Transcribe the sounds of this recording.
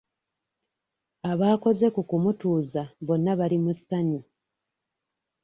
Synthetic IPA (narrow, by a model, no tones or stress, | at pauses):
aβaːko̞ze̞kukumutuːzaβo̞nːaβalimusːaɲi